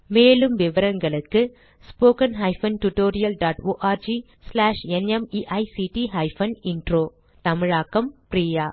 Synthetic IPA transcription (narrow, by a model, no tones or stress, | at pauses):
meːɭɯmʋɪʋɐɾɐŋɡɐɭɯkːɯ | spoːkɐnɦɐɪfɐnʈʊʈoːɾɪjɐlɖaːʈoːʔaːɾd͡ʒi | slaːʂɛnɛmiːʔɐɪsiːʈiɦɐɪfɐnɪɳɖɾoː | t̪ɐmɪɻaːkːɐmpɾiːjaː